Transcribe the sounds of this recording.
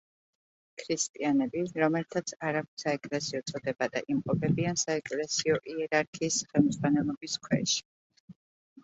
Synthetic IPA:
kʰɾist̪ʼianɛbiɾɔmɛlt̪ʰat̪sʰaɾak̚saɛkʼlɛsiɔt̪sʼɔd̪ɛbad̪a̰ʔimqʼɔpʰɛbiansaɛkʼlɛsiɔʔiɛɾaɾkʰiːsχɛlmzʁwanɛlˠɔbiskʰwɛ̰ʃi̥

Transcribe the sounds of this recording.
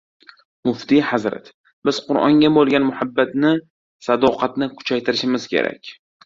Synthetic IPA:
mʊft̪ihazɾa̰t̪ | bɪz̥qʰʊɾɒ̰ŋɡʲabolˠɡʲanmʊhabːat̪nɪ | sad̪ɒqʰɑt̪nɪkʰʊ̥t͡ʃʰajt̪ʰɪɾɪʃɪmɪz̥kʲʰe̞̰ɾʔa̰kʲ

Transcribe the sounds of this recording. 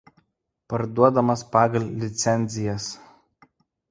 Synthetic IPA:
pɐɾd̪uɔd̪ɐmɐspɑːɡɐlʲlʲɪt̪sʲɛnʲzʲɪjɛs

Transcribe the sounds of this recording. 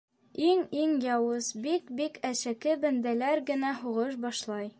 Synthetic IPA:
iŋiŋjɒwɤzbikbikʰæɕækɘbænd̪ælæɾɡɘ̆næhuʁɤʃ̬bɒʃlˠɑj

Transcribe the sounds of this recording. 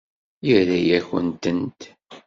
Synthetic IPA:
jiɾæjæçə̰nt̪ənt̪

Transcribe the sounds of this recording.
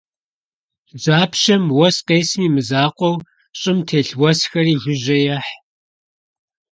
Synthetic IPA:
d͡ʒaːpʰʃɐmwɐsqeːsmiːmɨzaːqʷɔw | ɕʼɪmtʰeːɬwɐsxɐriːʒʷʊʑɐjaħ

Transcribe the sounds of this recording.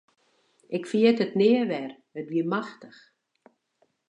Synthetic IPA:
ɪkfiətətnɪəʋɛr | ətʋiəmaxtəx

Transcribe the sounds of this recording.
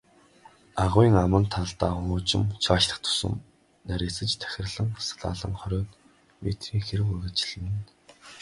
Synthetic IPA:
aʁʊiːŋamə̆nt̪ʰaɮt̪aːχʊːt͡ɕɪ̆mt͡ɕʰaːʃɮə̆χt̪ʰʊ̥sə̆m | næɾʲisɘ̆t͡ɕt̪ʰæ̥xʲɪ̆rɮə̆ŋsɮa̰ːɮə̆ŋχœɾʲɔːt̪ | met̪xiːŋxeɾɘ̆ɣurɣə̆t͡ɕɪ̆ɮə̆m̆n

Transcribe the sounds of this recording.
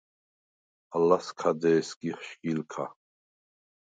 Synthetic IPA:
alaskʰad̪ɛːskʼiχʃɡʼilkʰa̰

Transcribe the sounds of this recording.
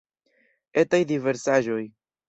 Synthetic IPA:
e̞tajdive̞ɾsaʒo̞j

